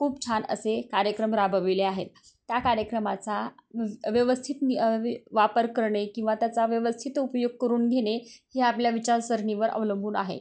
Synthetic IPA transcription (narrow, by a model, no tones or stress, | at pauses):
kʰuːp̚t͡ɕʰanə̰sekaɾjəkɾəmɾabʱəʋileaɦet̪̚ː | jakaɾjəkɾəmat͡sa | ʋjəʋəst̪ʰit̪niʋapəɾkəɾɳekĩw̃ʋat̪jat͡saʋjəʋəst̪ʰit̪upjoɡ̚kəɾuːnɡʱeɽ̃eheapljaʋit͡ɕaɾsəɾɳiʋəɾʔə̰ʋləmbʱuːnaɦḛ